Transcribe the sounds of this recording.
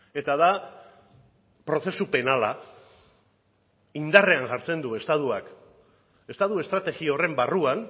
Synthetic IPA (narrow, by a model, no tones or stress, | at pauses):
e̞t̪aða | pɾo̞θe̞supe̞nala̰ | ind̪are̞aŋʝaɾt͡se̞nd̪ue̞st̪aðuak | e̞st̪aðue̞st̪ɾat̪e̞ɣio̞re̞mbaruan